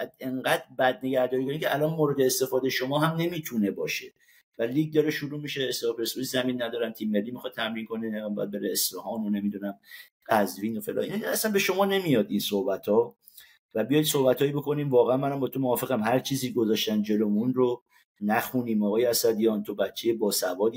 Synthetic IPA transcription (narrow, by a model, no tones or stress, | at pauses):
eŋɢæd̪ɾbæd̪̚ne̞ɡæɾd̪ɒːɾikʰonimcʲʰeʔælɒːnmoːɾed̪eːst̪e̞fɒːd̪ejeʃo̞mɒːɦæmne̞miːt̪ʰune̞bɒːʃe | væliːɡ̚d̪ɒɾeʃuɾuːmiʃeːst̪lɒpʰeɾesuzæminːæd̪ɒːɾæmt̪ʰiːmːe̞lːiːmixɒd̪̚t̪ʰæmɾiːŋkʰo̞nibɔ̰jæ̰d̪̚be̞ɾeːsfehɒːnone̞mid̪unæm | qæzviːnofelɒ̰ːḭnæslænbe̞ʃo̞mɒːne̞mijɒːd̪insohbæt̪hɒ | væbijɒjd̪sohbæt̪ʰhɒːjibo̞kʰo̞niːmvɒːɣeænmænæmbɒːt̪ʰomoɒːfe̞ɣæmɦæɾt͡ʃʰiːziːɡozɒːʃt̪ænd͡ʒe̞lomunro | næxuniːmɒɣɒːjeæsæd̪ijɒːnt̪ʰobæt͡ʃʰːe̞jebɒːsævɒːd̪i